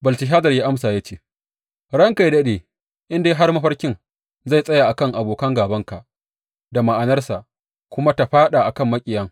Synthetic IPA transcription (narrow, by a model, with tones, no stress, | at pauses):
bɐ˨ltɪ˨ɦaː˦zɐ˨rjaː˦ʔa˦msaː˨jaː˦t͡ʃeː˦ | ɽɐ˦ŋka˨jdɐ˦ɗeː˨ | ʔɪ˦ndeː˦ɦa˦rmɐ˦ɸɐ˦rkʲɪ˦ŋ | za˦˨jsʼɐ˦ja˨ʔa˨kɐ˦ŋʔa˨boː˨kɐ˦ŋɡaː˨bɐ˦ŋka˨ʔ | da˨ma˨ʔa˨nɐ˦rsa˨ʔ | kʷʊ˦ma˦ta˨ɸaː˦ɗaː˨ʔa˨kɐ˦˨mːɐ˦kʲʼɪ˨jɐ˦ŋ